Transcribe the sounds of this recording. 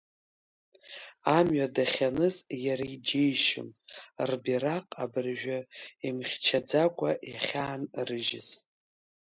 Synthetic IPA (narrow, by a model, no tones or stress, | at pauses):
amɥadaχʲanɨzjaɾaid͡ʒejʃɪ̰mrbiɾaqʼabɨrʒᶣaimχʲt͡ʃʰad͡zakʷʼaʔjaχʲaːnrɨʒɪz